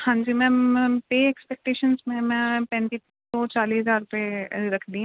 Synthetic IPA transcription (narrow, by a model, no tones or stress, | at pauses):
hãːɲd͡ʒimɛ̃ːpeːɛkspɛk̚ʈeːʃənzmẽmɛ̃ːpɛ̃ːnt̪i | sɔt͡ʃaːliːɦəzaːɾʊpeɾɐkʰd̪iɦ